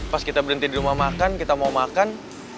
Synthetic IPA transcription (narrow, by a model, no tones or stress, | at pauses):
paskit̪abəɾənt̪idiɾumamakankit̪amamakan